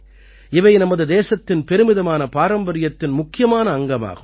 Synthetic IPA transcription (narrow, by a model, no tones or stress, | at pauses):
ɪʋɐɪnɐmɐðɯd̪eːsɐt̪ːɪnpɛɾɯmɪðɐmaːnɐpaːɾɐmbɐɾɪjɐt̪ːɪnmʊkːɪjɐmaːnɐːŋɡɐma̰ːɣɯm